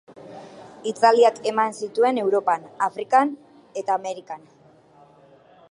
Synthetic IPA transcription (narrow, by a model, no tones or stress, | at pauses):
it̪aliake̞mansit̪ue̞ne̞wɾo̞panafɾikan | e̞t̪aːme̞ɾikan